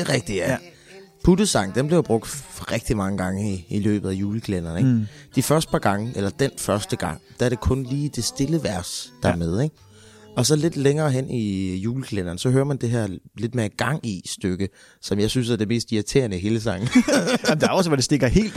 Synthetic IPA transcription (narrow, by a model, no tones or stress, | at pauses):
eʁɛɡ̥̚d̥i̥j | pʰudəsɑ̈ŋ̰̩d̥enmb̥le̝ʊb̥ʁɔ̽ɡ̥̚d̥fɒʁɛɡ̥̚d̥imɑ̈ŋəɡ̥ɑ̈ŋəiilø̰ːb̥ð̞̩ˠæjuːləkʰlen̰ɐneɡd̥ifɶɐsd̥̚pʰɑ̈ɡ̥ɑ̈ŋəʔelɐd̥en̰fɶɐsd̥əɡ̥ɑ̈ŋ̰d̥ææɐɾ̥e̝kʰɔ̽nliːd̥e̝sd̥e̝ləʋæɐ̰sd̥ɑmeð̞ˠeɡ̥ | ɒ̽sɒ̽le̝d̥leŋɐːɦen̰ijuːləkʰlen̰ɐn̩sɒ̽ɦøɐmænd̥e̝ɦæɐ̰le̝d̥̚meɐɡ̥ɑ̈ŋ̰isd̥øɡ̥ə | sɒ̽mjɑ̈ɪsynsæɐd̥e̝me̝̰ːsd̥iæt͡sʰe̝ɐnəɦe̝ːləsɑ̈ŋ̰n̩d̥eɐɒ̽səʋɒd̥e̝sd̥eɡ̥ɐhe̝̰ːl̥